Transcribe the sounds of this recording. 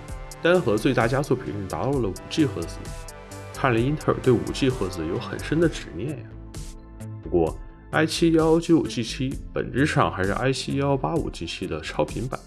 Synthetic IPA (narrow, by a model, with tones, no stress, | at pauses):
t̪a˥nxɤ˧˥t͡swe˥˧ɪt̪a˥˩t͡ɕja˥t͡swɔ˥˩pʰḭ˨˩˦ɻ̩˥˩t̪a˧˥t̪ɑ˥˩ʊlə˩ṵ˨˩t͡ɕi˥˩xɤ˧˥d͡zɹ̩˧˩ | k̪ʰa˥˩li˧˥i˥nt̪ʰə̰˞˥˧˩t̪we˥˩ɪṵ˨˩t͡ɕʰi˥˩xɤ˧˥t͡sɹ̩˧˩jo˧˥ʊxə̰˨˩nʂə˥nd̪ə˨ʈ͡ʂɻ̩˨˩njɛ˥˩nja˩ | pu˧˥kwɔ˥˧ | a˥ɪt͡ɕʰi˥ɑ˥ʊt͡ɕi˧˥u˨˩t͡ɕʰi˥˩t͡ɕʰi˥pə̰˨˩nʈ͡ʂɻ̩˥˧ʂɑ˥˩ŋxa˧˥ɪʂɻ̩˥ʔa˥ɪt͡ɕʰi˥ɑ˥ʊpa˥ṵ˨˩t͡ɕi˥˩t͡ɕʰi˥d̪ə˨ʈ͡ʂʰɑ˥ʊpʰi˧˥ŋpa̰˨˩˦n